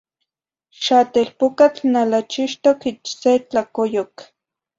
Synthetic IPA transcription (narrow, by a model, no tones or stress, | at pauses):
ʃat̪elpʊkat͡ɬnalat͡ʃɪʃt̪okɪt͡ʃset͡ɬakojok